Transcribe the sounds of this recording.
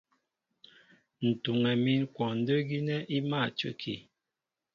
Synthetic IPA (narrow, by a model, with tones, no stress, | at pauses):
n̩˨tu˨ŋɛ˨mi˦nkwɔ˨n̩˦də˦ɡi˦nɛ˦ʔi˦ma˦˨t͡ʃə̰˦kʰi˨